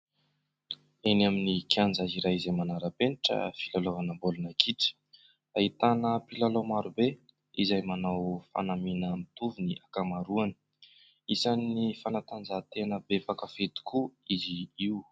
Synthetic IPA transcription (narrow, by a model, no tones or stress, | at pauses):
enaminikʰjand͡zaziɾajizajmanaɾəpeniʈ͡ʂə̰filalovanəmbolunakʰiʈ͡ʂə̥ | ait̪anəpilalomaɾube | izajmanawfa̰naminəmit̪uviniʔakamaɾuanə̥ | isanːifanat̪and͡zat̪eanəbepakafet̪i̥kʰuiziiu